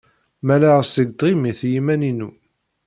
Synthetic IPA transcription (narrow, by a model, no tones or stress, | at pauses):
mælæʁsəɡd̪ˤʁimiθjimæninu